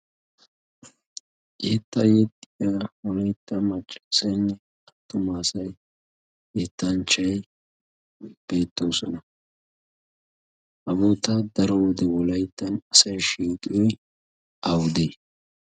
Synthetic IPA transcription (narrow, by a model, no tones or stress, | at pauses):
ʔeːt̪ːɐjɛt̪ʼːɪjaːwɔlɐjt̪ːɐmɐt͡ʃʼːɐ̥sɐjnːɛ | ɐt̪ːʊmaːsɐj | et̪ːɐnt͡ʃɐj | b̥e̞ːt̪ːo̞ːsɔnɐ | ʔɐboːt̪ɐd̪ɐɾɔwɔd̪ɛwɔlɐjt̪ːɐnɐsɐjʃiːk̪ʼɪjɔj | ʔɐwd̪eː